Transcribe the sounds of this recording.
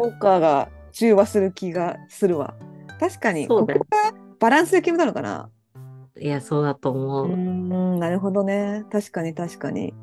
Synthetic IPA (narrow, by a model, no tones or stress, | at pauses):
okːaːɡa | t͡ɕɨːβasɨɾɯ̟kʲiɡasɨɾɯ̟βa̰t̪aɕi̥kaɲ̟ḭkːooɡab̥aɾãɰ̃sɨekʲimɯ̟d̪anoka̰na̰ | ijaso̞ːd̪at̪oːmoɯɯ̃naɾɯ̟ɦo̞d̪o̞ne̞t̪aɕi̥kaɲ̟it̪aɕi̥kaɲ̟ḭ